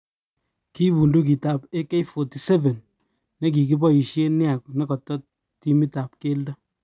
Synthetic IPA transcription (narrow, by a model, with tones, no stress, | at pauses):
ki˦bu˨ndu˦k̬i˨ta˨pe˦ke˦jfɔ˨ti˨sɛ˦vɛ˨nː | e˦k̬i˨ki˦bɔ˦i˨ʃe˦nɪ˦a˨ku˨ne˦kɔ˨tːɔ˦ | ti˦mi˦ta˨p̚ke˦lda˦